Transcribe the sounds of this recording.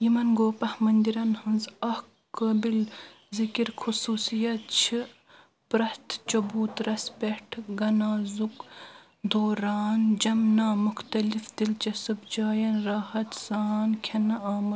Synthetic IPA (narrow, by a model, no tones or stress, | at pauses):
jimɐnɡoːpɐhmɐnd̪iɾɐnhɐnzɐh | kɐbil | zikiɾxʰusuːsijɐt̪̚t͡ʃʰi | pɾɐst̪ʰt͡ʃɐbuːt̪ɾɐspeʈʰɡɐnaːzuk | d̪oːɾaːnd͡ʒɐmnaːmuxt̪ɐlifd̪ilt͡ʃɐsɐbd͡ʒaːjɐnɾaːhɐt̪z̥aːnkʲʰɐnɐaːmɐ